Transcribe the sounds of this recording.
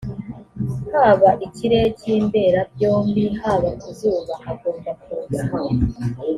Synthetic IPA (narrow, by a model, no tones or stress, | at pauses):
haːβaʔiciɾe̞ciːmbe̞ɾab̚jo̞ːmbihaːβaizuːβahaɡuːndakuoɡam